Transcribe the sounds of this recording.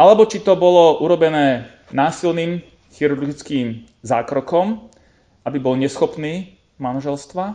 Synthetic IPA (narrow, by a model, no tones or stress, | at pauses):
alɛbɔt͡ʃit̪ɔbɔlɔʔuɾɔbɛnɛː | naːsilniːm | xiɾuɾɡɡit͡skiːm | za̰ːkɾɔkɔm | ʔabibɔlɲɛsxɔpniː | manaʒɛlst̪ʋa